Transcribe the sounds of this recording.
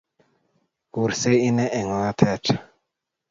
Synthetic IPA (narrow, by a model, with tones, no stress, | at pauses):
ku˨ɾse˦i˦nɛ˦ʔɛ˨ŋɔ˨a˦t̪ʰɛ˦t͡ʃḁ˨